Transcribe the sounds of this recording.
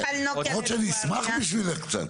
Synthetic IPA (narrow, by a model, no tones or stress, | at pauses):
alnɔɔt͡ʃʰɛd̪ismaχmiʃ̬wilɛk̪ʰsʰʼɛ̰n